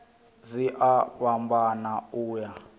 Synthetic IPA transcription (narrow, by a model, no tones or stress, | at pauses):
ziʔaβambanauːja